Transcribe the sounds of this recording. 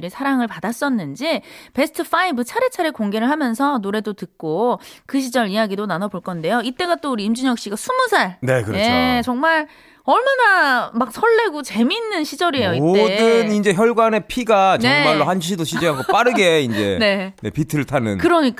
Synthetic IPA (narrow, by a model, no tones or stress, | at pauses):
ɾisʰaɾaŋɯɭpadas͈ʌnːɯnd͡ʑipe̞sʰɯ̥tʰɯfʰaibɯt͡ɕʰaɾet͡ɕʰaɾekoŋɡe̞ɾɯɭɦamjʌnsʰʌnoɾe̞dotɯk̚k͈okɯɕʰid͡ʑʌɭijaɡidonanʌboɭk͈ʌnde̞joit͈e̞ɡat͈ouɾiːmd͡ʑuɲjʌk̚ɕ͈iɡasʰumusʰaɭne̞kɯɾet͡ɕʌŋmaɭ | ʌɭmanamak̚sʰʌɭːe̞ɡot͡ɕe̞minːɯnɕʰid͡ʑʌɾiejoioedɯnind͡ʑe̞çjʌɭɡwane̞pʰiɡat͡ɕnemaɭːohanɕʰidoɕʰid͡ʑiɦaŋɡop͈aɾɯɡe̞ind͡ʑe̞ne̞ne̞̰pitʰɯɭtʰanɯ̰nkɯɾʌɲik͈